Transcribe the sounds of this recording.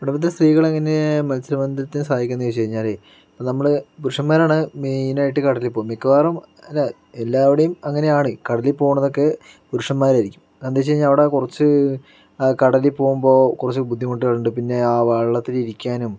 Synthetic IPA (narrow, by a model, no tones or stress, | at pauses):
piɽɐpːɐt̪̬ːinɐst̪riːɣɐɭeŋːɐnemɐlsɐɾɐmɐnd̪ʱɐt̪ːinɨsaːdikʲːunːɐjet͡ɕejiɲːaːle | ponɐmːɐɭpuɾuʂɐmːaːɾaːɳɨmeːjnaːjiʈːɨkɐɽɐlipːo̞ːjumekːɐʋaːrum | ɐlːɐ | elːaːʋiɽejumɐŋːɐne̞jaːɳɨkɐɽɐlipːo̞ːɣuɳːɐðo̞kːe̞ | puɾuʂɐmmːaːɾaiɾikʲːu̥m | ɐnd̪et͡ɕːejiɲːaɭɐʋiɽekurɐt͡ɕːɨ | kɐɽɐlipo̞ːɣumbo̞ːkurɐt͡ɕːɨbud̪ʱːimoʈːieɭːuɳɖɨpinːe̞aːʋɐɭɭɐt̪ːiliɾikʲːaːnum